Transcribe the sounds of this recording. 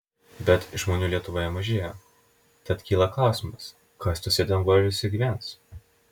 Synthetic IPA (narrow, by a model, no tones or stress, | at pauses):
bʲɛt̪ʒmoːnʲuːlʲiɛt̪ʊʋoːjɛmɐʒʲeːjo | t̪ɐt̪kʲiːlˠɐkˠɑːsʲmɐs | kɐsʲt̪ʲʊsʲɛt̪ʲɛnɡoːɾʲɪsʲɪɡʲʋʲɛnt̪s